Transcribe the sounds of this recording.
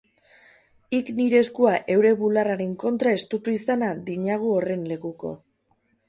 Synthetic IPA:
ikniɾe̞ːskuaʔe̞wɾe̞βularaɾe̞ŋko̞nt̪ɾae̞st̪ut̪uisanaðiɲaɣ̞uore̞nle̞kuko̞̰

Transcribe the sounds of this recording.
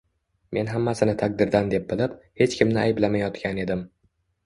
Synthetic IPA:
me̞nɦamːasɪnɪt̪ʰak̚d̪ɪɾd̪and̪e̞p̚bɪlɪphe̞t͡ʃkʲʰɪmnɪajɪblamajɒt̪kʲʰane̞d̪ɪm

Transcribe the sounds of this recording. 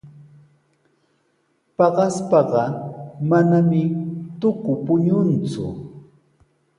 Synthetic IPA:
pɑɢɑspɑɢɑmanamɪt̪ʊkʊpʊɲʊnt͡sʊ̰

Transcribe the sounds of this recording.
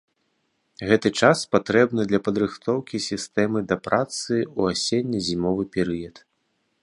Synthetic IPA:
ɣɛt̪ɨt͡ʂaspat̪ɾɛbnɨd̪lʲɐpɐd̪ɾɨxt̪ʰɔwkʲisʲist̪ɛmɨd̪ɐpɾʔat̪sɨuasʲenʲːɐzʲimɔvɨpʲɛɾɨjɐt̪

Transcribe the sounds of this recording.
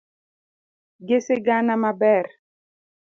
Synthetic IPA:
ɡeseɡanamabɛɾ

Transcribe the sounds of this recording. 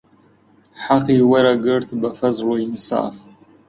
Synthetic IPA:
ħaqiwɐɾaɡɨrtʰbɐfɐzrwainsa̰ʔf

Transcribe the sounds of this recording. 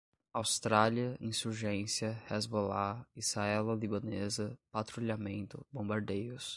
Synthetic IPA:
awst̪ɾaliɐĩsuɾʒẽsiɐhɛzbolaishaɛlɐlibɐ̃nezɐpat̪ɾuliamẽnt̪ʊ̰bõbaɾd̪ejʊs

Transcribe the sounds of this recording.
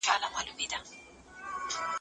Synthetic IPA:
alamalumida

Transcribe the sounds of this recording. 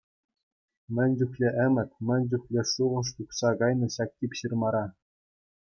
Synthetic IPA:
mʲɘ̆nʲd͡ʑuxlʲeʔɘ̆mʲɘ̆tʲmʲɘ̆nʲd͡ʑuxʲlʲeʂuʁɤ̆ʂ̬t̪uχsɑkɑjnɤ̆ɕɑk̚tʲipʲɕirmɑɾɑ

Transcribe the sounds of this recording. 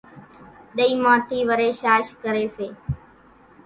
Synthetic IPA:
ɗ̪əiːmãːt̪ʰiːʋəɾeːʃaːʃkəɾeːseː

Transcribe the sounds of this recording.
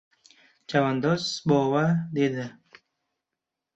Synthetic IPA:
t͡ʃawand̪osbowad̪ed̪ə

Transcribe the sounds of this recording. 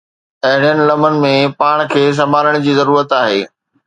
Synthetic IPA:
ɐɦɪɽ̃ijənɪ̆lɐmənɪ̆mẽpaːɽ̃kʰeːs̬ɐmaːləɽ̃d͡ʑiːzɐɾuːɾət̪aːɦeː

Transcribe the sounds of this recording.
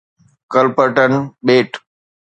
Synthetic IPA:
kəlpəʈənɓeːʈ

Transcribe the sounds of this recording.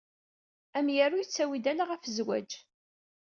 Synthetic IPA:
æmjərʊjt͡sːæwid̪ælaʁæfəzwæ̰d͡ʒ

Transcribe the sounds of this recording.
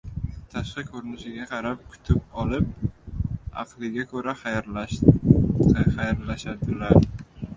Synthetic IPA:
t̪ʰaʃqɨkʰɵɾɪnɪʃɪɡʲaqʰɑɾap̚kʰʊ̥t̪ʰɪp̚ɒlɪp̚ | a̰flɪɡʲakʰɵɾa | χajɾlaʃad̪ɪlaɾ

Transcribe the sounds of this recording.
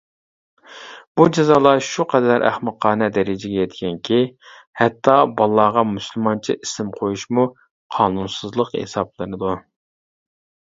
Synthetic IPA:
b̥ud͡ʒɛzɑːlˠɑʃuqʰɛd̪æɾʔæ̰χmɨqʰːɑːnɛd̪ɛɾɪd͡ʒɪɡʲɛjɛt̪ɡʲɛŋkʲʰi | hɛt̪ʰːɑbɑlˠːɑʁɑmusylˠmɑnt͡ʃʰḭʔisɪmqʰojuʃmu | qʰɑːnunsɨzlˠəqhḛsɑplˠɨnɨd̪u

